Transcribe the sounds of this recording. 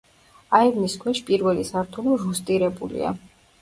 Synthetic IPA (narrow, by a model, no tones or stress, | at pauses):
aivniskʰwɛʃpʼiɾvɛlisaɾt̪ʰuliʒust̪ʼiɾɛbṵlḭa̰